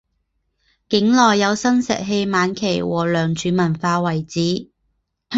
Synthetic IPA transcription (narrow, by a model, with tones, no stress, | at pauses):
kɪ˨˥ŋlɔː˨jːɐ˨˧wsɐ˥nsɛ̰˨˩ɦe˧jmaː˨˧nkʰe˨˩jwɔː˨˩lœː˨˩ŋt͡ʃʰyː˨˥mɐ˨˩nfaː˧wɐ˨˩jt͡siː˨˥